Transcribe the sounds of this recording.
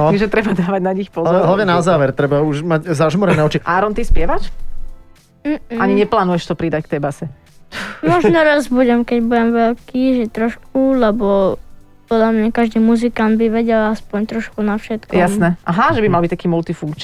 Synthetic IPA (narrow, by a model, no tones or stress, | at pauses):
ɔʒɛt̪ɾɛbad̪aːʋaɟnaɲixpɔɦlaʋɲɛnazaːʋɛɾt̪ɾɛbauʒmaɟzaʒmɔɾɛnɛːɔt͡ʃiʔaːɾɔnt̪ispɪɛʋat͡ʃ | aɲiɲɛplaːnujɛʃt̪ɔpɾid̪ack̚t̪ɛjbasɛ | mɔʒnɔɾazbuɟɛmkɛɟbuɟɛmʋɛlkiːʒɛt̪ɾɔʃkulɛbɔ | pɔd̪lamɲakaʒd̪iːmuzikand̪biʋɛɟɛlaspɔɲt̪ɾɔʃkunafʃɛt̪kjjasnɛʔaɦaʒɛbimalˠbict̪akiːmult̪ifuŋkt͡ʃ